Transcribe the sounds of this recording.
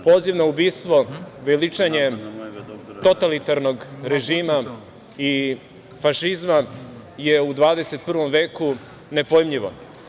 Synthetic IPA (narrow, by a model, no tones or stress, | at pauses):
po̞ːziʋnaubiːst̪ʋo̞ʋelit͡ʂaɲe̞ | t̪o̞t̪alit̪aɾnoɡɾeʒiːma | i | faʃizma | jeud̪ʋaːd̪eset̪̚pr̩ʋo̞mʋeːku | ne̞pojmʎiʋo̰